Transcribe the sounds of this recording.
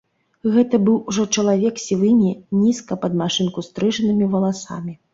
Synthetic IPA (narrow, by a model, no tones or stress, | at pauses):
ɣɛt̪ɐbɨwuʐɔt͡ʂɐlˠavʲɛksʲivɨmʲinʲiskɐpɐd̪̚maʂɨnkust̪ɾɨʐɐnɨmʲivɐlˠasa̰mʲi